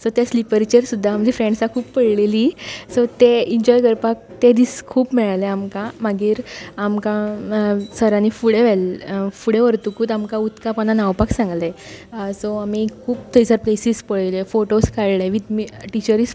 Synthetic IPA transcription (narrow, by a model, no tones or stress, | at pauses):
sɔt̪jaslipəɾt͡ɕəɾsud̪ʱːaːmd͡ʑifɾẽɳɖsakʰuːppəɽlelisɔt̪eiɲd͡ʑɔjkəɾpak̚t̪ed̪iːskʰuːpmɛɭaleamkãmaɡiːɾamkã | səɾanifuɽeʋɛlfuɽeʋəɾt̪ukuːt̪amkãut̪kapananaʋpaksãŋɡlesɔamikʰuːp̚t̪ʰəjd͡zəɾplesiːspəɭelefoʈoskaɭleʋit̪miʈit͡ɕəɾis